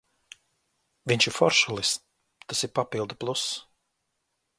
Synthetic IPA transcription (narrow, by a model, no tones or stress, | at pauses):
vʲiɲt͡ʃiɾfɔɾʃulˠis | t̪asiɾpapilˠd̪uplˠus